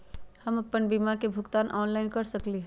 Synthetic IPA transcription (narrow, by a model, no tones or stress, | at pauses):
hɐmɐpːənbiːmaɾkebʱʊɡt̪aːnʔɔːnlaɪnkɐɾsɐkliɦɛ